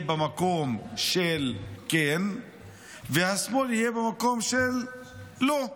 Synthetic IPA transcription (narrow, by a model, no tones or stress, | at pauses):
bemako̞mʃelken | vehasmo̞lhijebemako̞mʃelː | o